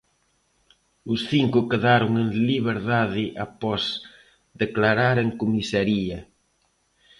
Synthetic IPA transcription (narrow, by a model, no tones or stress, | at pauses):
ʊsθiŋkʊkeðaɾʊŋeŋliβ̞eɾðaðɪʔapɔz | d̪eklaɾaɾeŋkomisaɾiɐ